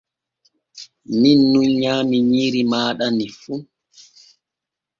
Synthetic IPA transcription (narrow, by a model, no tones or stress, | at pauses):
minːunɲaːmiɲiːɾimaːɗanifu